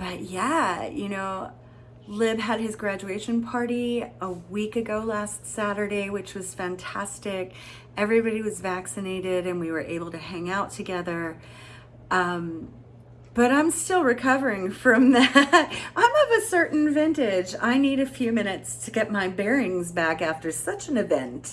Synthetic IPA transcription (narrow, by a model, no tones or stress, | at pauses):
b̥ʌʔ̚jæjɨnoʊ | lɪbɨd̚ɨzɡɹæd͡ʒʉeɪʃɨ̃npʰɑɹɾiəwikɨɡoʊlæstsæɾə˞ɾeɪwɨt͡ʃwʌz̥fæ̃ntʰæstɪk | ʔɛvɹibɑɾiwʌzvæksɨneɪɾɪɾɨ̃nwiwə˞ʔeɪbl̩ˠtɨhæ̃ŋaʊtʰɨɡɛðə˞ | ʔʌ̃m | b̥ʌɾãɪ̃mstɪlˠɹɨkʰʌvə˞ɪ̃ŋfɹʌ̃mðæt̚ʔãɪ̃mʌvɨsɜ˞ʔn̩vɛ̃ntɪd͡ʒa̰ɪniɾɨfjʉmɪ̃ñɨtstʰɨɡɛt̚maɪbɛɹɪ̃ŋzbækæftə˞sʌt͡ʃɨ̃nɨvɛ̃nt